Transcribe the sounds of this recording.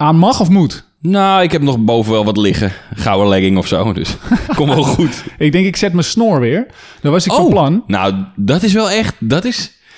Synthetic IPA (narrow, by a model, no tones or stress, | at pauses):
aːnmaxɔfmut | noːɪkhɛp̚nɔxbowvəʋɛlˠʋɔtlɪxəχawəlɛɡɪŋɔfsoːdø̰skɔmʋɔlˠxutɪɡ̚dɪŋkɪksɛtməsnoəɹʋɪəɹ | d̥ɔʋɔsɪkofɔplanna̰wdɔtɪs̬ʋɛlˠɛxtdɔtɪs